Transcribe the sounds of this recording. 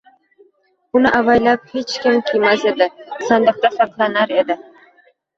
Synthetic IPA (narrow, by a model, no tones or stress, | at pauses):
ʊnɪʔavajlap̚het͡ʃkʲɪmkʲʰijmased̪ɪsɑnd̪ɨq̚t̪afaqlˠanaɾe̞d̪ɪ